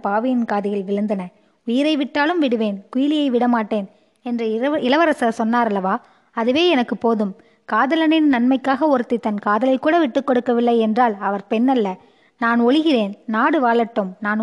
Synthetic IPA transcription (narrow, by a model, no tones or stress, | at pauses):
paːʋɪjɪnkaːðɪɣɐɭʋɪɻɯnd̪ɐnɐ | ʊjɪɾɐɪʋɪʈːaːlɯmʋɪɽɯʋeːnkʊjɪlɪjɐɪʋɪɽɐmaːʈːeːn | ɛndrɐɪlɐʋɐɾɐsɐsɔnːaːɾɐlːɐʋaː | ɐðɯʋeːɛnɐkːɯpoːðɯm | kaːðɐlɐnɪnnɐnmɐɪkːaːɣɐɔɾɯt̪ːɪt̪ːɐnkaːðɐlɐɪkːuːɽɐʋɪʈːɯkːɔɽɯkːɐʋɪlːɐɪɛndraːlɐʋɐɾpɛnːɐlːɐ | naːnɔɻɯɣɪreːnnaːɽɯʋaːɭɐʈːɯmnaːn